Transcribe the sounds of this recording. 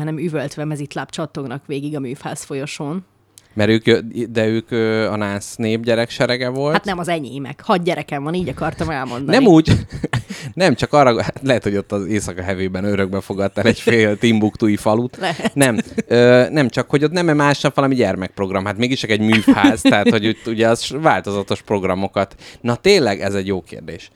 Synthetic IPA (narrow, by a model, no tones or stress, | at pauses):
ɒnɛmyvølt̪ʋɛmɛzit̪lapt͡ʃɒt̪ːoɡnɒkʋeːɡiɡɒmyːfha̰ːsfo̞jo̞ʃoːn | mɛɾøːkød̪ɛøːkøːɒnaːsneːbɟɛɾɛkʃɛɾɛɡɛvo̞lat̪nɛmɒzɛɲeːmɛ̰khɒd̪ɟɛɾɛkɛɱvɒniːɟɒkɒrt̪ɒmɛlmo̞̰nd̪ɒnɛmuːɟ | nɛmt͡ʃɒkɒrːɒat̪lɛɦɛt̪ho̞ɟo̞t̪ːɒzeːsɒkɒɦɛveːbɛnøɾø̞ɡ̚bɛfo̞ɡɒt̪ːalɛɟfeːlt̪imbukt̪uːifɒlut̪lɛɦɛnɛmøːnɛmt͡ʃɒkho̞ɟot̪nɛmɛmaːʃnɛfɒlɒmiɟɛrmɛk̚pro̞ɡrɒmhaːt̪meːɡiʃt͡ʃɒkɛɟmyːfhaːzt̪ɛɦaːt̪ho̞ɟuuɟɛɒzvaːlt̪o̞zɒt̪o̞ʃpro̞ɡrɒmo̞kɒt̪nɒt̪eːnlɛɡɛzɛɟjoːkḛːrd̪ḛːʃ